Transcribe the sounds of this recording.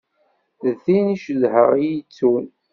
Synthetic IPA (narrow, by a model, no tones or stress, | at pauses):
ðθiniʃðhəʁijit͡sːun